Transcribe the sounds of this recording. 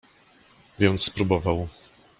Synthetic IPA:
vʲjɛnt̪sspɾubɔvaw

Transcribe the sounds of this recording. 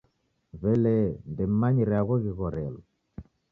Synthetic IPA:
vɛlɛndɛmaɲiɾɛaɣɔɣiɣɔɾɛlɔ

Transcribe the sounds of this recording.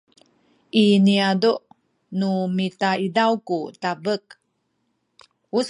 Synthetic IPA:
ʔiniaduʔ | numitaidawkutabək̚ | us

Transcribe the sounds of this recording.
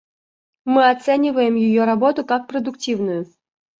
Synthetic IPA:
mɨat̪sɛnʲɪvəjɪmjɪjɔɾabɔt̪ʊkak̚prɐd̪ʊktʲivnʊjʊ

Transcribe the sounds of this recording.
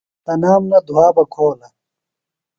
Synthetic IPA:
t̪ɐnaːmnɐd̪uaːbɐkʰoːlɐ

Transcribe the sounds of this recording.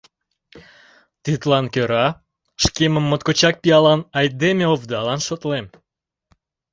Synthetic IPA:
t̪it̪lɑnkøɾɑ | ʃkeməmːot̪̚kot͡ɕɑk̚pijɑlɑnɑjd̪emeovd̪ɑlɑnʃot̪lem

